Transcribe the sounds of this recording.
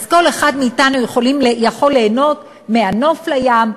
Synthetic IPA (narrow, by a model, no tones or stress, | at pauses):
zko̞leχad̪meitanujeχo̞limjaχo̞lːe̞ːno̞t | meano̞flajam